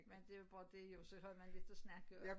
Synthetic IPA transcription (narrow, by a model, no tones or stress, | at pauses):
mend̥e̝æb̥ɒ̰ːd̥e̝jo̝sɒhɒlmænle̝d̥ɒsnɑɡ̥ə